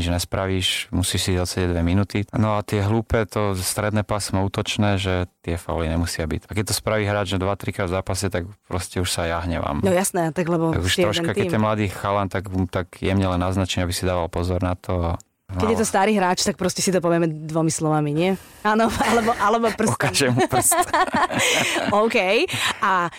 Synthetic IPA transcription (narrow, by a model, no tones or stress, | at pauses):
id͡ʒnɛspɾaʋiːʃmusiːʃsiɔsɛɟɛɟd̪ʋɛminut̪inɔat̪ɪɛɦluːpɛːt̪ɔst̪ɾɛd̪nɛːpasmauːt̪ɔt͡ʃnɛːʒɛt̪ɪɛfa̰uliɲɛmusɪabḭcakɛc̚t̪ɔspɾaʋiːɦɾaːd͡ʒnɛd̪ʋat̪ɾikɾaːd̪vzaːpasɛt̪akpɾɔscɛuʃsajaɦɲɛʋa̰ːmnɔjasnɛat̪aɡlɛbɔa̰ɡuʃt̪ɾɔʃkkak̪ɛt̪ːɛmlad̪iːxalamt̪aɡt̪aɡjɛmɲɛlɛnːaznat͡ʃɛɲabisid̪aːʋalpɔzɔɾnat̪ʰɔa | kɛɟjɛt̪ɔst̪aːɾiːɦɾaːt͡ʃt̪ak̚pɾɔscɛsit̪ɔpɔʋɛmɛd̪ʋɔmislɔʋamiɲɪɛ | aːnɔalɛbɔʔalɛbɔpr̩sukaʒɛmuprs | ɔʊkɛjʔa